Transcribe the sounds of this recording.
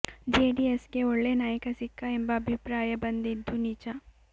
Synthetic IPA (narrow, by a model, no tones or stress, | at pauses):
d͡ʒeɖieskeoɭːenaːjɐkɐsikʰːaembɐɐbʱipɾaːjɐbɐnd̪id̪ʱːunit͡ʃa